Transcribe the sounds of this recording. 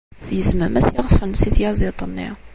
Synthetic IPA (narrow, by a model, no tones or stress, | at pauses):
θjəzməmæsjiʁfənsiθjæzit̪ˤənːḭ